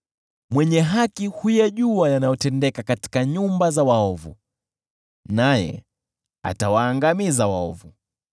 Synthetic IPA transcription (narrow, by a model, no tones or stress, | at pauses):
mwɛɲɛɦakihujaʄuajanajɔtɛndɛkakati̥kaɲumbazawaɔvṵ | najɛ̰ | a̰tawaːŋɡamizawaɔ̰vu